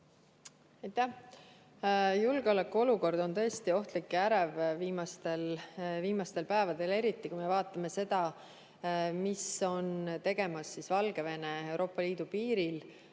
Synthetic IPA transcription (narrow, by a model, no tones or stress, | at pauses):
ɑjt̪ːæh | julɡ̥eo̞lekːˑuo̞luko̞rd̪o̞nt̪ɤ̞est̪io̞ht̪likːˑæɾevviːmɑst̪e̞lviːmɑst̪e̞lpæevɑd̪e̞le̞ɾit̪ˑːikujmevɑːt̪ːˑɑme̞se̞d̪̥ɑ | miso̞nt̪e̞ɡ̥e̞mɑsːisvɑlɡ̥e̞ve̞ne̞e̞wɾʔo̞ːpːˑɑliːd̪̥upiːɾil